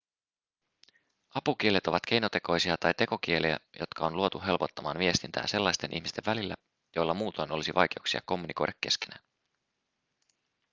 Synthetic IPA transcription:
ɑpuk̟ie̞le̞t̪o̞ʋɑt̪k̟e̞jno̞t̪e̞ko̞jsiɑt̪ɑjt̪e̞ko̞k̟ie̞liæ̰jʔo̞̰t̪kɑonluo̞t̪uɦe̞lpo̞t̪ːɑmɑːnʋie̞st̪int̪æ̰ːse̞lːɑjst̪e̞nʔḭçmist̪e̞ʋːælilːæ̰ | jo̞jlːɑmuːt̪o̞jno̞lisiʋʔɑjk̟e̞uksiɑ̰ko̞mːuniko̞̰jdɾɑkːe̞ske̥næːn

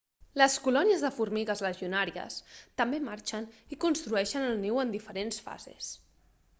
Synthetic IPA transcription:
ləskulɔniəzðəfuɾmiɣəzləʒiunaɾiə̰st̪əmbemaɾt͡ʃənikunst̪ɾuɛʃənəlˠniwənd̪ifəɾensfa̰zḛs

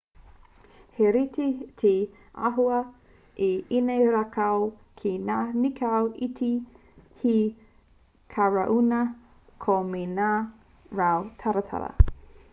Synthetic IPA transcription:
heɾitetʰe | a̰ɦuɐ | ʔiinejɾakaw | kʰenaːnikʰawʔitʰi | hi | kʰaɹaʔunɐ | kʰomenaː | ɹawtʰaɾɐtʰa̰ɾɐ̰

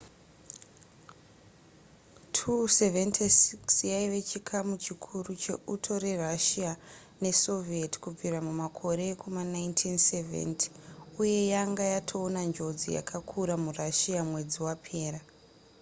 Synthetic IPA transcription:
tʰuse̞ventʰisiksjaiʋe̞t͡ʃikʰamut͡ʃikʰurut͡ʃe̞̰utʰo̞ɾe̞raʃija | ne̞so̞vieti̥kub͡viɾamumakʰo̞ɾe̞kumanaintʰinsevḛnti̥uje̞jaŋɡajatʰoːnand͡ʒo̞d͡zḭja̰kʰakʰuɾamuraʃiamwe̞d͡ziwapʰe̞ːɾa

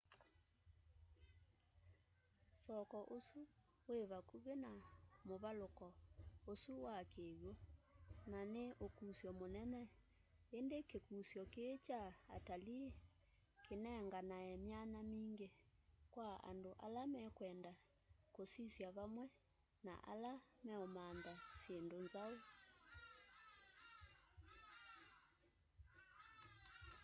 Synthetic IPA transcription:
sɔkɔʔosu | weβakuβenamoβalokɔosuwakeβwonaneʔokusjɔmonɛnɛ | endekekusjɔket͡ʃaːtali | kʰenɛŋɡanaɛmjanamiːŋɡe | kwaa̰ndoʔa̰lamɛkwɛnda | kosisjaβamwɛ | na̰ʔa̰lamɛomandasjendonzao

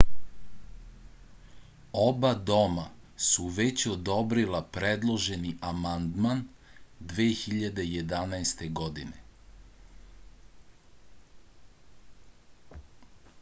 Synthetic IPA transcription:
o̞bad̪o̞ma | suʋet͡ɕod̪o̞bɾilapɾed̪lˠo̞ʒe̞niʔamand̪mand̪ʋeːxiʎad̪e̞je̞d̪anajst̪e̞ɡo̞d̪ine

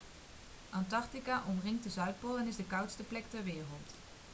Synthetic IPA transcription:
ʔɑntɑɹtikaʔɔmrɪŋtdəzœɥt̚polˠɛnɪzdəkɑwtstəplɛk̚tɛɹʋɪːrəlˠt

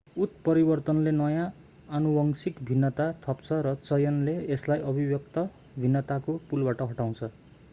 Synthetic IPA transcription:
ut̪̚pʌɾibʌrt̪ʌnlenʌjãː | nubʌŋsikbʱinːʌt̪at̪ʰʌpt͡sʰʌɾʌt͡sʌjʌnleːslajʔʌbʱibjʌk̚t̪ʌ | bʱinːʌt̪akopulbaʈʌɦʌʈaw̃t͡sʰʌ

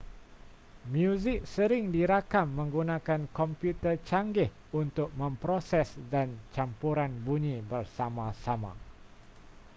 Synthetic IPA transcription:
mjuzɪk̚səɾɪŋdiɾakamːə̃ŋɡunãkankɔmpjut̪ət͡ʃaŋɡɪh | unt̪ʊk̚mə̃mpɾosɛsdant͡ʃampuɾanbuɲĩbərsamãsamã̰

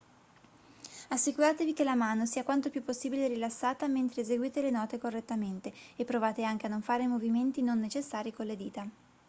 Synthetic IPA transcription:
asːikuɾaːt̪evik̟elamaːnosiːakwant̪opjupːosːiːbileɾilasːaːt̪ament̪ɾeːzeɡwiːt̪elenɔːt̪ekorːet̪ːament̪eepːɾovaːt̪eaŋk̟eanːoɱfaːɾemoviment̪inonːet͡ʃesːaːɾikolːed̪iːt̪a

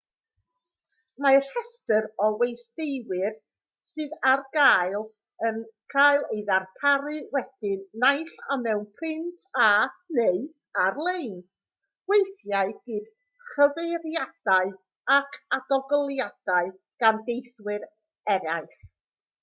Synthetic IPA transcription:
mar̥hɛstəɾɔwejsdejwɪr | sɨːðarɡ̥aːjlˠ | ənkʰaːjlˠejðarpʰaɾɨwɛd̥ɪnːajɬamɛwnpʰɪntʰaneɨ | arlˠejn | wejθjaɨɡ̥ɨːd̥ | χəvejɾjad̥aɨ | akʰadɔɡɔlˠjad̥aɨ | ɡ̥andejθwɪɾ | ɛɾaɨχ

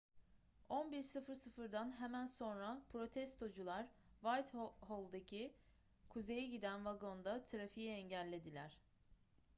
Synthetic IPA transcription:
o̞nbiɾsɯfɯɾsɯfɯɾd̪anɦemænso̞nɾapʰɾo̞t̪ʰɛst̪ʰo̞d͡ʒulˠaɾvalt̪holˠd̪acʰi | kʰuze̞jɛɟid̪ænvaɡo̞nd̪at̪ʰɯɾafijiɛɲɟælʲːe̞d̪ilʲæɾ̝̥

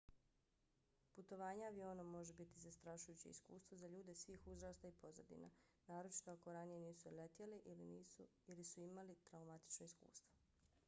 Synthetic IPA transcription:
put̪o̞ʋaːɲeaʋio̞ːnamo̞ʒe̞bit̪izast̪ɾaʃujut͡ɕḛḭskṵːst̪ʋozaʎuːd̪e̞sʋiːxuzɾaːst̪aipo̞zad̪ḭna̰ | naːɾo̞t͡ʃi̥t̪oako̞ɾanije̞niːsulet̪jeliʔiliniːu | ilisuimalit̪ɾaumat̪i̥t͡ʃnoiskṵːst̪ʋo

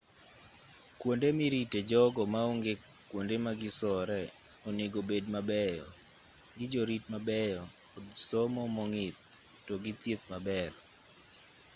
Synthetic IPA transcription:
kwondemiɾited͡ʒɔɡɔmaoŋɡe | kːwondemaɡɪsɔɾɛ | ɔneɡobedmabɛjɔ̰ | ɡɪd͡ʒoɾitmabɛjɔ | ɔdsɔmɔmɔŋɪt̪̚ | toɡɪt̪jet̪mabɛɾ

